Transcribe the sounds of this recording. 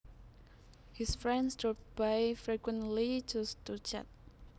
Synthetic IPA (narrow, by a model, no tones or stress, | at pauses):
hisfɹɛ̃nsdɹɔp̚bajfɹikwɛ̃nlid͡ʒustut͡ʃa̰t̚